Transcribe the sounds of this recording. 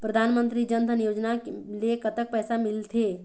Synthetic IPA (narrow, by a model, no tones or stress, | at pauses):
pɾəd̪ʱaːnmə̃nt̪ɾid͡ʒə̃nd̪ʱənjoːd͡ʒnalekɐt̪ək̚pɛːsamɪlt̪ʰeː